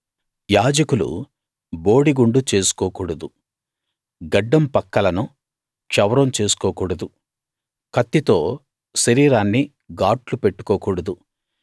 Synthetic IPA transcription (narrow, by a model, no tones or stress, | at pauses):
jaːd͡ʒɐkulṵ | boːɽiɡuɳɖut͡ʃe̞ːsu̥kɔːkuːɽɐd̪u | ɡɐɖːɐmpɐkːɐlɐnu | t͡ʃɐwɾɐmt͡ʃe̞ːsu̥kɔːkuːɽɐd̪u | kɐt̪ːit̪o̞ː | sɐɾiːɾaːnːi | ɡaːʈlupeʈːu̥kɔːkuːɽɐd̪u